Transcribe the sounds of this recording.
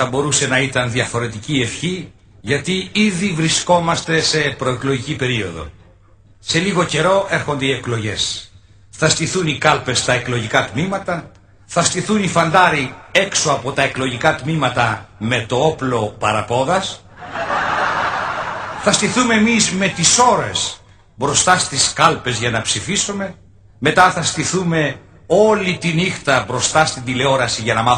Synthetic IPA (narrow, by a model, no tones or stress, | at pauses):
θɐbo̞ɾuse̞nɐit̪ɐnðiɐfo̞ɾe̞t̪icie̞fçi | ʝɐt̪iiðivɾisko̞mɐst̪e̞se̞pɾo̞eklo̞ʝicipe̞ɾio̞ðo̞̰ | se̞liɣo̞ce̞ɾo̞e̞ɾxo̞nd̪eie̞klo̞ʝe̞s | θɐst̪iθunikɐlpe̞st̪ɐe̞klo̞ʝikɐt̪mimɐt̪ɐ | θɐst̪iθunifɐnd̪ɐɾie̞kso̞ɐpo̞t̪ɐe̞kloʝikɐt̪mimɐt̪ɐme̞t̪o̞o̞plo̞pɐɾɐpo̞ðɐs | θɐst̪iθume̞emizme̞t̪iso̞ɾes | bɾo̞st̪ɐst̪iskɐlpe̞zʝɐnɐpsifisume̞ | me̞t̪ɐθɐst̪iθume̞ | o̞lit̪inixt̪ɐbɾo̞st̪ɐst̪ind̪ile̞o̞ɾɐsiʝɐnɐmɐ